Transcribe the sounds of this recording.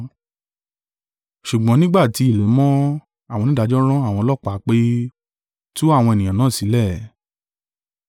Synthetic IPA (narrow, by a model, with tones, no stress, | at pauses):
ʃu˨ɡ͡bɔ̃˨˦nĩ˦ɡ͡ba˦˨ti˧i˨le˨˦mɔ̃˦ | a˨w̃ɔ̃˧nĩ˦da˧˦d͡ʒɔ˦ɾ̃ɔ̃˦a˦˨w̃ɔ̃˧lɔ˦˨k͡pa˨˦k͡pe˦ | tu˦a˦˨w̃ɔ̃˧e˨nĩ˨jã˨nãː˦˨si˨˦lɛ˦˨